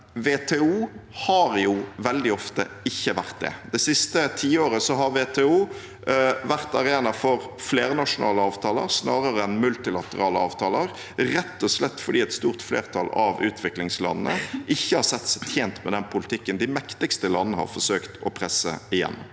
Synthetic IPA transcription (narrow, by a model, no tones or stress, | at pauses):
ʋeːt̪ʰɛːuːhɑɾjʊʋɛld̪ɪɔft̪ə̰ɪçːəʋæʁt̪̚d̪ɛ̰d̪̥ɛsɪst̪ət̪ʰiːoːɾəsɔɦɑɾʋeːt̪ʰɛːuː | ʋæʁt̪ɑʁeːnɑfɔɾfleːɾnɑʂʊnʔɑ̰ːləɑːʋt̪ʰɑːlə̰ɾsnɑːɾəɾəɛnmʉlt̪ɪlɑt̪əʁɑːləɑ̰ːʋt̪ʰɑːləʁ | ɾɛt̪ːɔslɛt̪ːfɔɖ̪iːɛt̪st̪uːʁt̪flḛːʁt̪ʰɑlɑ̰ʋʉ̰ːt̪ʰʋɪklɪŋslɑ̰nnə̰ɪçːəhɑɾsɛt̪ːsɛt̪ʰjeːnt̪mɛd̪ɛnpʰʊlɪt̪ʰɪkːənd̪ɪmɛkt̪ɪkst̪əlɑnːəhɑ̰ɾfɔsøːkt̪ɔpʰɾɛsːə̰ɪjɛ̰nː